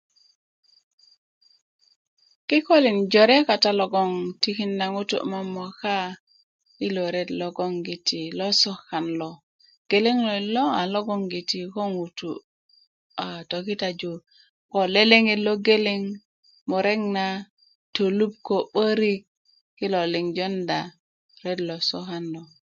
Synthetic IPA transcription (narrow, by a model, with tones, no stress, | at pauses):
ki˦ko˦li˨nd͡ʒo˨ɾe˦ka˨ta˨lo˨ɡo˦ŋti˦ki˦nːa˨ŋu˦tṵ˨ʔma˦mːo˨ka˦ | i˦lo˨ɾe˦tlo˦ɡo˦ŋɡi˨ti˨lo˦so˦xa˨nlo˨ | ɡ̥e˨le˦ŋlo˨lo˦a˨lo˦ɡo˦ŋɡi˨ti˨ko˦ŋu˨tu˨ | a˨to˨ki˦ta˨d͡ʒu˨ | ko˨le˦le˦ŋi˦lo˦ɡe˦li˦ŋ | mo˨ɾe˦ŋna˦ | to˨lu˦p̚ko˨ɓə˦ɾi˦k̚ | kːi˦lo˨li˨ŋd͡ʒo˦nda˨ | ɾe˦dlo˨so˦xa˦nlo˨